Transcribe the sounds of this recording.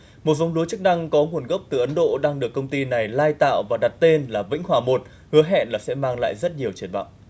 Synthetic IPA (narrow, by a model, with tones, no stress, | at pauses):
mo˨˩t̚vɔ˨˦wŋ͡mlu˨˦t͡ɕɨ˦˥k̚na˧ŋkɔ˨˦ŋu˧˩ənɣə˦˥wp̚t̪ɨ˨˩ʔə˨˦nɗo̰˧˨ɗaː˧ŋɗɨ˨˩əkːə˧wŋ͡mt̪i˧na˨˩jlaː˧jt̪a̰ː˧˨wvaː˨˩ɗa˨˩t̚t̪e˧nlaː˨˩vḭ̈˧˥ŋ̟hwaː˨˩mo˨˩t̚ | hɨ˨˦əɦɛ̰˧˨nlaː˨˩sɛ̰˧˥maː˧ŋla̰ː˧˨jzə˦˥t̚ɲi˨˩əwt͡ɕi˧˩ənɓa̰ː˧˨wʔ